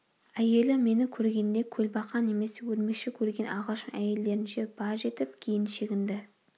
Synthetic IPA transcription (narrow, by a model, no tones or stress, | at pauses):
æje̞lɪme̞nɪkʲʰɵɾɡʲe̞nd̪e̞kʲʰɵlbɑqɑne̞me̞se̞wɵɾme̞kʃɪkʲʰɵɾɡʲe̞nʔɑʁəʃəæje̞lːe̞ɾɪnʃe̞b̥ɑɾʒe̞t̪ɪp̚kʲʰejɪnʃe̞ɡʲɪnd̪ɪ